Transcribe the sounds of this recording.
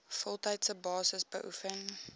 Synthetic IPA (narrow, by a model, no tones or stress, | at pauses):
fɔlˠtəjtsəbɑːsəsbə̰ʔufən